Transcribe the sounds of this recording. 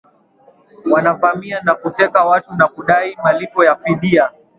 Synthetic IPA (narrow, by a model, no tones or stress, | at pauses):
wanavamianakutɛkawatunakuɗaimalipɔjafiɗia